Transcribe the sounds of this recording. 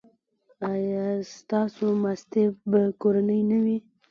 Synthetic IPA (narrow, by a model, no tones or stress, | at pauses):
ajɑst̪ɑsomast̪ebakoɾanəjnawi